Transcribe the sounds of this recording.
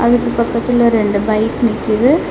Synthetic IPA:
ɐðɐkːɨpɐkːɐt̪ːileɾe̞ɳɖɨbɐjkːɨnikʲːijɐðɨ

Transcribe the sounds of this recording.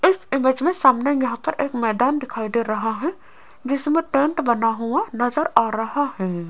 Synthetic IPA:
ɪsɪmeːd͡ʒmẽsaːmnejɐɦãpəɾʔeːkmɛːd̪aːnd̪ɪkʰaːid̪eɾɐɦaɦɛ | d͡ʒɪsmẽʈẽːɳʈbɐnaɦuanɐzəɾaːɾɐɦaɦɛː

